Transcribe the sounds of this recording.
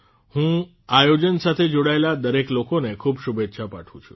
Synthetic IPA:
hũ | ajod͡ʒənsat̪ʰed͡ʒoɽaelad̪əɾeklokonekʰubʃubet̪ːʃʰapa̰ʈʰṵ̃t͡ʃʰũ̥̰

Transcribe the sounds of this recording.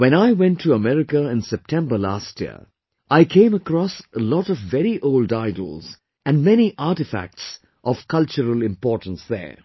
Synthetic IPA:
wɛ̃ñaɪwɛ̃ntʰːuəmɛɾɪkəɪ̃nsɛp̚tʰɛ̃mbəla̰stjḭə̰ | ʔaɪkʰẽɪ̃məkɾɔsəlɔɾɔvːɛɾiʔoʊldaɪdl̩ˠz̥ | ɨ̃nmɛñiʔatɨfæ̰k̚ts | ʔɔv̥kʰʌlt͡ʃəɾəlɪ̃mpɔːɹtə̃n̩sðə̰˞

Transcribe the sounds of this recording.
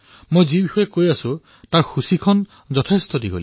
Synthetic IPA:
mojzibixɔjɛkojasʊ̃ | taɹxusikʰɔn | zɔtʰestɔdiɡo̰l

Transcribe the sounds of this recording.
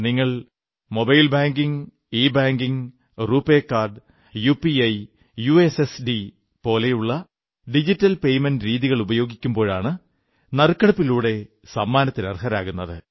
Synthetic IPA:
niŋːɐɭ | mo̞bɐjlbaːŋɡiŋ | iːbaːŋɡiŋ | ruːpːeːkːaːrɖ | jupiɐj | juesesɖi | po̞ːle̞juɭːɐ | ɖid͡ʑitːɐlpe̞jmendɾiːðiɣɐɭubɐjo̞ːɡikʲːumbo̞ːɻaːɳɨ | nɐrkːɐɽɐpːiluːɽe̞ | sɐmːaːnɐt̪ːinɐrɦɐɾa̰ːɣunːɐðɨ

